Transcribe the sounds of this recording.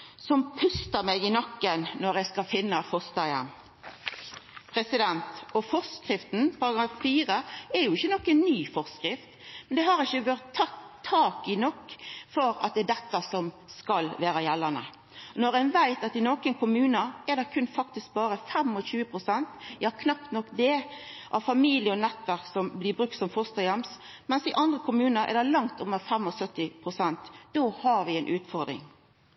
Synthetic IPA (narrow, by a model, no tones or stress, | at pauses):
sɔmpʰʉst̪əmɛɡɪnɑkːənːɔɾjæɪskɑlfɪnːɑfɔst̪ɑjɛ̰m | pʰɾɛsɪd̪ɛnt̪ɔfɔʁskɾɪft̪n̩pʰɑɾɑɡɾɑffiːɾəɛjʊɪçːənɔkːənːyːfɔʁskʁɪft̪mɛnd̪ɛɦɑɾɪçːəʋɑʁt̪ʰːɑt̪ʰːɑːkɪnɔkːfɔɾɑ̰t̪̚d̪ɛd̪ɛt̪ːəsɔm | skɑlʋæːɾəjɛlːɑnə̰ | nɔɾɛnʋæɪt̪ɑt̪ɪnokənkʰʊmʉːnəɛd̪ɛkʰʉnfɑk̚t̪ɪsk̚bɑːɾəfɛmɔɕʉːəpʰɾʊsɛnt̪jɑːkʰnɑp̚t̪nɔkːd̪ɛʔɑʋfɑmiːlɪəɔnɛt̪ːʋæɾksɔmblɪbɾʉk̚t̪sɔmfɔʁst̪ɑjɑms | mɛnsɪʔɑnd̪ʁəkʰʊmʉːnəɾɛ̰ɾd̪ɛlɑŋt̪ʊmːəɾfɛmɔsœt̪ːɪpʰʁʊsɛnt̪d̪̥ohɑɾʋɪɛɪnʔʉːt̪fɔɾd̪ɾɪ̰ŋ